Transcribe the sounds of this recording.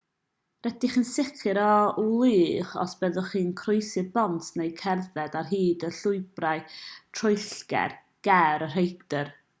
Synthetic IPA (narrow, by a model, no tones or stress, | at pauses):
rɛdiχənsɪkʰɨɾɔlˠiːχɔ̰sb̥ɛðʊχiːnkʰroɨsɨðbɔntʰnejkʰɛrðɛdarɦiːdəɬʊɨbrajtʰrʊɨɬɡ̥ɛ̰r | ɡ̥ɛɾər̥ejkd̥ər